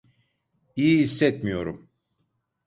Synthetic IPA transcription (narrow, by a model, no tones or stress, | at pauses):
ijiisːɛt̪mijo̞ɾum